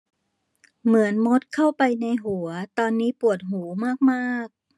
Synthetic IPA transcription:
mɯ˩˦ənmo˦˥t̪̚kʰa˥˩wpa˧jna˧jɦu˩˦ɐt̪ɔː˧nːiː˦˥pu˨˩ət̪̚ɦuː˩˦maː˥˩k̚maː˥˩k̚

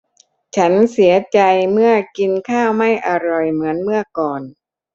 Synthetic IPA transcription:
t͡ɕʰa˦˥nsi˩˦ɐt͡ɕa˧jmɯ˥˩ɐki˧nkʰaː˥˩wma˥˩jʔa˧ɾɔ˨˩jmɯ˩˦ənmɯ˥˩ɐkɔː˨˩n

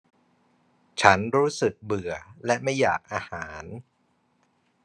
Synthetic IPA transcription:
t͡ɕʰa˦˥nɾuː˦˥sɯ˨˩k̚bɯ˨˩ɐlɛ˦˥ma˥˩ja̰ː˨˩k̚ʔaː˧haː˩˦n

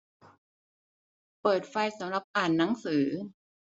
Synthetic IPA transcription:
pɤː˨˩t̪̚fa˧jsa˩˦mɾa˨˧˩p̚ʔaː˨˩nːa˩˦ŋsɯː˩˦

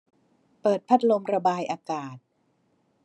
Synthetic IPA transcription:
pɤː˨˩t̪̚pʰa˦˥t̪̚lo˧mɾa˧baː˧jʔaː˧kaː˨˩t̪̚

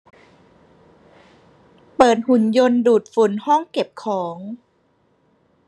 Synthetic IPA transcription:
pɤː˨˩t̪̚hu˨˩˦njo˧nduː˨˩t̪̚fu˩˦nhɔ˥˩ŋke˨˩p̚kʰɔː˩˦ŋ

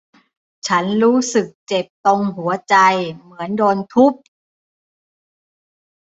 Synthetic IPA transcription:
t͡ɕʰa˦˥nɾuː˦˥sɯ˨˩k̚t͡ɕe˨˩p̚t̪o˧ŋɦu˩˦ɐt͡ɕa˧jmɯ˩˦əndɔː˧nt̪ʰu˦˥˩p̚

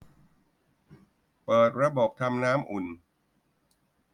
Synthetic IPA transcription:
pɤː˨˩t̪̚ɾa˧boː˨˩k̚t̪ʰa˧mnaː˦˥mʔu˨˩n

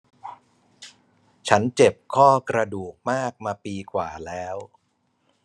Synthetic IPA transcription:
t͡ɕʰa˦˥nt͡ɕe˨˩p̚kʰɔː˥˩kɾa˧duː˨˩k̚maː˥˩k̚maː˧piː˧kʰwaː˨˩lɛː˦˥w

